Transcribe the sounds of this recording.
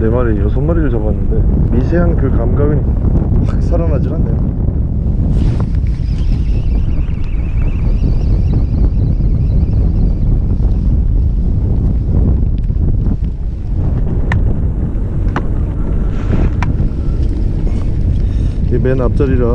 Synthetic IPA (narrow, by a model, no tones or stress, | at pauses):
nemaɾejʌsʰʌnmaɾidot͡ɕʌbanːɯnde̞misʰeɦankɯkamɡawinpak̚sʰaɾanad͡ʑiɾanejo | imenap̚t͡ɕ͈aɾiɾa